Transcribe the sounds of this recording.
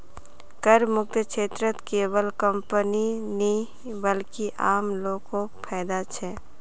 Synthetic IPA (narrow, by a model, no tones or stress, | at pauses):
kəɾmʊk̚t̪ʰəkʃeːt̪ɾət̪keːwəlkə̃mpəninĩ | bəlkiʔaːmloːkokpʰɛːd̪at͡ʃʰɛː